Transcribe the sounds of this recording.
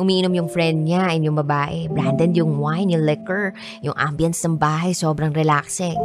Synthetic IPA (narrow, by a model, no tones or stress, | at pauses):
ʔʊmiːʔɪnomjʊŋfɾɛnd̪̚ɲaɪnjʊŋbɐbaːʔɛbɾand̪ɛnjʊŋwajnjʊŋlɪkɛɹ | jʊŋʔa̰mbjɐnt̪snɐŋbaːɦɐjso̞ːbɾɐŋɾɛlaksɛ